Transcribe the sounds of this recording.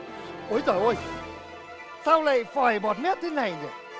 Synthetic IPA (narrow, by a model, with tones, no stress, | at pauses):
ʔo˨˧˦jt̪əː˨˧˩ʔo˧j | saː˧wla̰ː˧˨jfɔː˨˩jɓɔ˨˩t̚mɛ˦˥t̚t̪ʰe˨˦na˨˩jɲə˨˩